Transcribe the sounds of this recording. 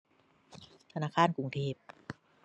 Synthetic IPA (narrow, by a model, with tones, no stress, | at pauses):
t̪ʰa˧naː˧˥˩kʰaː˧˥˩nku˨˩˦ŋt̪ʰeː˧˩p̚